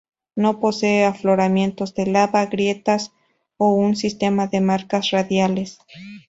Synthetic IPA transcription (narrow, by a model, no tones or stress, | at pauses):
no̞po̞se̞ːaflo̞ɾamje̞nt̪o̞zðe̞laβaɣɾje̞t̪as | ounsist̪e̞maðe̞maɾkasraðjale̞s